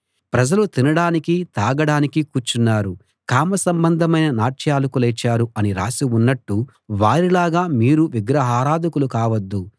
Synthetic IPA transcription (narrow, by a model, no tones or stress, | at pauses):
pɾɐd͡ʒɐlut̪inɐɽaːnikit̪aːɡɐɽaːnikikuːt͡ʃunːaːɾu | kaːmɐsɐmbɐnd̪ʱɐmɐjnɐnaːʈʃjaːlɐkulɛt͡ʃːaːɾuɐniɾa̰ːsiunːɐʈːu | ʋaːɾilaːɡaːmiːɾuʋiɡɾɐɦaːɾaːd̪ʱɐkulukaːʋɐd̪ːu